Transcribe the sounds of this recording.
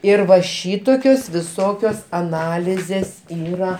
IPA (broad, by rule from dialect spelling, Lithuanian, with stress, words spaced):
ɪr ʋɐ ˈʃʲiːtoːkʲoːs ʋʲɪˈsoːkʲoːs ɐˈnɑːlʲɪzʲeːs ˈiːrɐ